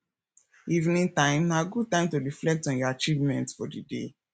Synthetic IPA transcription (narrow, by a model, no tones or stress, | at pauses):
ivnĩntãɪ̃mnaɡud̚tãɪ̃mtoɹiflɛk̚tɔ̃njɔat͡ʃivmɛ̃ntfɔdidḛ